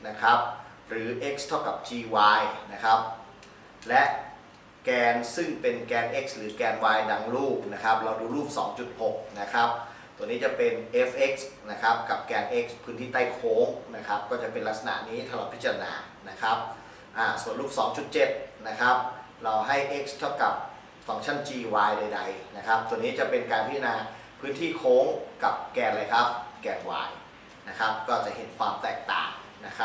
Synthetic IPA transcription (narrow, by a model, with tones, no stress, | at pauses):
na˦˥kʰɾa˦˥p̚ | ɾɯː˩˦ʔe˦˥k̚st̪ʰa˥˩wka˨˩p̚t͡ɕiː˧waː˧jna˦˥kʰa˦˥p̚ | lɛ˦˥ʔ | kɛː˧nsɯ˥˩ŋpe˧nkɛː˧nʔe˦˥k̚sɾɯː˩˦kɛː˧nwaː˧jda˧ŋluː˥˩p̚na˦˥kʰa˦˥p̚ɾa˧wduː˧ɾuː˥˩k̚sɔ̰ː˩˦ŋt͡ɕu˨˩t̪̚ho˨˩k̚na˦˥kʰa˦˥p̚ | t̪u˧ənːiː˦˥t͡ɕa˨˩pe˧nʔe˦˥fʔe˦˥k̚sna˦˥kʰa˦˥p̚ka˨˩p̚kɛː˧nʔe˦˥k̚spʰɯː˦˥nt̪ʰiː˥˩t̪aː˥˩jkʰoː˦˥ŋna˦˥kʰa˦˥p̚kɔː˥˩t͡ɕa˨˩pe˧nla˦˥k̚sa˧na̰˨˩ʔniː˦˥t̪ʰa˧lɔː˨˩t̪̚pʰi˦˥t̚t͡ɕa˧ɾa˧na̰ː˧ | na˦˥kʰɾa˦˥p̚ | ʔaː˧˩su˨˩ənlu˥˩k̚sɔː˩˦ŋt͡ɕʰu˨˩t̪̚t͡ɕe˨˩t̪̚na˦˥kʰa˦˥p̚ | ɾa˧wɦa˥˩jʔe˦˥k̚st̪ʰa˥˩wka˨˩p̚ | fa˧˩ŋt͡ɕʰa˥˩nt͡ɕiː˧waː˧jda˧jda˧jna˦˥kʰa˦˥p̚t̪u˧əniː˦˥t͡ɕa˨˩ʔpe˧nkaː˧npʰi˦˥t̪ʰa˧naː˧ | pʰɯː˦˥nt̪ʰiː˥˩kʰoː˦˥ŋka˨˩p̚kɛː˧nla˧jkʰa˦˥p̚kɛː˧nwa̰ː˧j | na˦˥kʰa˦˥p̚kɔː˥˩t͡ɕa˨˩ɦe˩˦nkʰwaː˧mt̪ɛː˨˩k̚t̪a̰ː˨˩ŋna˦˥kʰa˦˥